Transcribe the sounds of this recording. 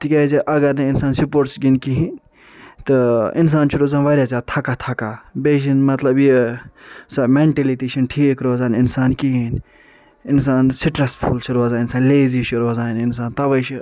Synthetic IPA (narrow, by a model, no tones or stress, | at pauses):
t̪ikʲaziʔɐɡɐɾnɨɪnsaːnsipoːɾʈsɡinkiɦĩ | t̪ɨɪns̬aːnt͡ʃʰuɾoːzaːnʋɐɾʲjaːt͡sʲaːt̪ʰɐkat̪ʰɐkabeːʃ̬inmɐt̪lɐbji | sɐmeɳʈelit̪iʃʰinʈʰikɾoːzaːninsaːnkiɦin | ɪns̬aːnsiʈɾɐsfʰult͡ʃʰuɾoːzaːɪnsaːnleːzit͡ʃʰuɾoːzaːnɪns̬aːnt̪ɐʋɐt͡ʃʰi